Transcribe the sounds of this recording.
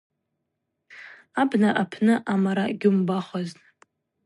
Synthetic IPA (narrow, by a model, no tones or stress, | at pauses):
abnaʔapʰnɨʔamaɾaɡʲumbaχʷaz